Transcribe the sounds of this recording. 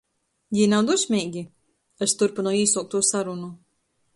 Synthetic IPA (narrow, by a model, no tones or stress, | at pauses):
jinawd̪usʲmʲiːɡʲi | est̪uɾpinɔwiːsuwk̚t̪uːsaɾunu